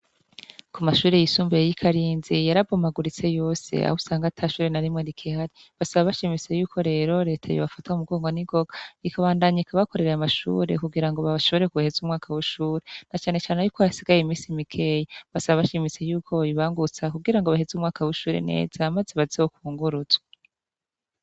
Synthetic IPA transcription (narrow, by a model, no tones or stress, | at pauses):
kumaʃuːɾe̞jisuːmbejejikʰaɾiːnzijaɾaɡomaɡuɾit͡se̞jo̞ːse̞̰a̰husaːŋɡatʰaːʃuːɾe̞naɾimŋeɾikʰihaɾi | βasaβaβaʃimit͡se̞juːkʰo̞ɾe̞ːɾo̞ɾe̞ːtʰajḭβafataumuɡo̞ːŋɡoniɡo̞ɡ̥aikaβaːndaɲaiikaβako̞ɾe̞ɾeamaʃṵːɾe̞̰kuɡiɾaŋɡo̞βaʃo̞βo̞ɾekuhe̞zumŋaːkʰawiʃuːɾenat͡ʃaːne̞t͡ʃaːneajuːkʰojasiɡajeimiːsimikʰe̞jeβasaβaβaʃimit͡se̞juːkʰo̞iβaːŋɡut͡sakuɡiɾaŋɡoβahezumŋaːkawiʃuːɾḛne̞̰ːz̥aːmazeβazihokuːŋɡuɾuz̥wa